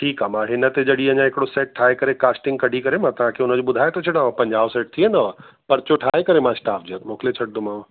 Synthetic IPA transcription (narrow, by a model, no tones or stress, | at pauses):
ʈʰiːkɦaːmãːɦɪnət̪ed͡ʑɐɽiɐ̃ɲãɦɪkɪɽoseːʈ̚ʈʰːaːekɐɾekaːsʈɪ̃ŋɡ̚kɐɖʱikɐɾemãt̪ɐʋ̤ãkʰeʊnə̆d͡ʑobʊd̪ʱaːet̪ɐt͡ʃʰɐɽãːpɐ̃ɲd͡ʑaːʋseːʈ̚t̪ʰienɐʋ | pɐɾt͡ɕoʈʰaːɦekɐɾemãsʈaːpʰd͡ʑiət̪moːkʰlet͡ɕʰɐʈ̚d̪ʊmãːʋ